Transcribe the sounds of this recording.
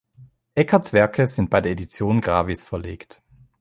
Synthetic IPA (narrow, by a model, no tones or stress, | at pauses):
ʔɛkʰɐt͡sv̥ɛɐkʰəz̥ɪnt̚b̥aɪdeːɐʔedit͡sjoːnɡʁaːvisfɛɐlḛːkt